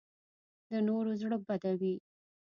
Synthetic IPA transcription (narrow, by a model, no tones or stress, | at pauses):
d̪ənoɾozɽəbad̪awi